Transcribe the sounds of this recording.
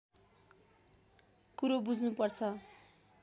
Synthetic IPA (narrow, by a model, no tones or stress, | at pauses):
kuɾobud͡zʱnupʌrt͡sʰʌ